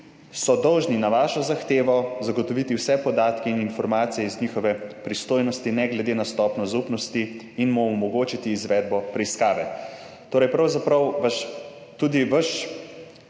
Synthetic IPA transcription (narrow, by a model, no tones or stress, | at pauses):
sɔd̪ɔwʒninaʋaːʃɔzaxt̪eːʋɔzaɡɔt̪ɔʋit̪iwsɛpɔd̪aːt̪kɛininfɔɾmaːt̪sijɛiznixɔʋɛpɾist̪oːjnɔst̪inɛɡlɛd̪eːnast̪ɔpnɔzupnɔst̪iː | nmɔmɔɡoːt͡ʃit̪iːzʋɛd̪̚bɔpɾɛiskaːʋɛ | t̪oːɾɐjpɾɐwzapɾɐwʋaʃ | t̪uːd̪iʋəʃ